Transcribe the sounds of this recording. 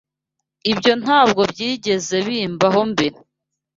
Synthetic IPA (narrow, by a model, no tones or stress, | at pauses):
ibjo̞n̥haːbɡo̞bjiːɟe̞ze̞βiːmbaɦo̞mbiɾ